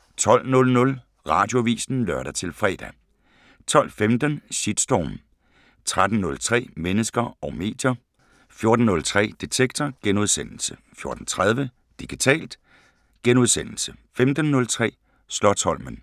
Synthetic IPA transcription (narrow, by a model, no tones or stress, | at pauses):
t͡sʰɒ̽l̰nɔ̽lnɔ̽l | ʁɑ̰̈ːd̥jo̝ʋḭːsn̩lɶɐɾ̥ɐt͡sʰe̝lfʁɛ̰ːd̥æ | t͡sʰɒ̽l̰femd̥ənɕid̥sd̥ɒ̰m | t͡sʰʁad̥n̩nɔ̽lt͡sʰʁɛ̰ːmenəsɡ̥ɐɒ̽ʊme̝̰ːd̥jɐ | fjo̝ɐd̥n̩ːɔ̽lt͡sʰʁɛ̰ːd̥it͡sʰeɡ̥̚t͡sʰɐɡ̥enuð̞ˠsen̰l̩sə | fjo̝ɐd̥n̩t͡sʰʁað̞ˠʋə | d̥iɡ̥it͡sʰɛ̰ːld̥ | ɡ̥enuð̞ˠsen̰l̩səfemd̥ən̩ːɔ̽lt͡sʰʁɛ̰ː | slɒt͡sʰɒ̽l̰mən